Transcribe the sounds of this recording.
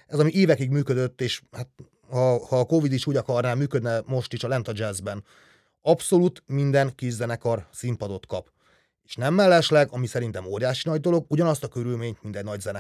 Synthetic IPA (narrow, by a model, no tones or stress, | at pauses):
ɛzɒmiʔeːvɛkiɡmyːkød̪øt̪ːeːʃhat̪̚ | hɒhɒːko̞vid̪iʃuːɟɒkɒrnaːmyːkød̪nɛmo̞ʃt̪iʃɒlɛnt̪ɒd͡ʒɛzbɛn | ɒpso̞luːt̪mind̪ɛŋkiʃzɛnɛkɒrsimpɒd̪o̞t̪kɒp | eːʃnɛmːɛlːɛʃlɛɡɒmisɛɾint̪ɛmoːɾjaːʃinɒɟd̪o̞lo̞ɡuɟɒnɒst̪ɒkøɾylmeːɲt̪mint̪ɛɟnɒɟzɛnɛ